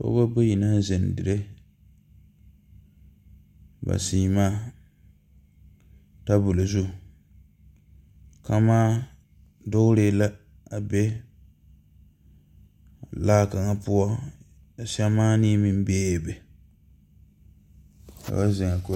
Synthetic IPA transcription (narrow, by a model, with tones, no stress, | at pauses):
ko̰˦ba˦bo˦ji˨na˦ze˨n˨dɪ˨ɾe˦ | ba̰˨siː˦maː˦ | ta˦bʊ˨lo˨zu˦ | ka˦maː˦ | dʊ˦ɣɾe˦la˦ | a˨be˦ | a˨laː˦ka˨ŋa˦pu˦ɔ˦ | a˨sa˦maː˦niː˦mi˦m˦beː˦˨bɛ˨ | ka̰˨ba˦zɪ˨ŋa˨ko˨